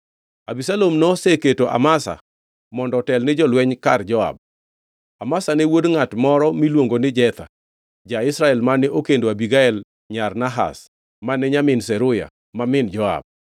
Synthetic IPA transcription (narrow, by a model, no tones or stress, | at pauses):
abisalomnɔseketoʔa̰masa̰ | mɔndɔtɛlnɪd͡ʒɔlwɛɲkard͡ʒɔa̰b̚ | amasanewodŋatmɔɾɔmilwoŋɡonɪd͡ʒɛt̪a̰ | d͡ʒaɪsɾaɛlmanɛʔokendoabiɡaɛl | ɲarnaɦa̰s | manɛɲamɪnsɛɾʊja̰ | mamɪnd͡ʒɔa̰b̚